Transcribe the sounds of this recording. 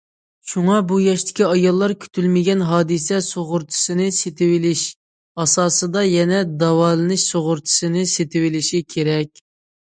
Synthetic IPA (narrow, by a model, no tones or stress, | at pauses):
ʃuŋɑbujɑʃt̪ʰɪ̥kʲiɑjɑlˠːɑɾkʲʰy̥t̪ʰylmɪɡʲɛnɦɑːd̪ɨsɛsoʁʊɾt̪ʰɨ̥sɨnɪset̪ʰɪwɪlɪʃ | ɑsɑːsɨd̪ɑjɛnɛd̪ɑwɑːlˠɨnɨʃsoʁʊɾt̪ʰɨ̥sɨnɪset̪ʰɪwɪlɪʃikʲʰeɾɛkʲ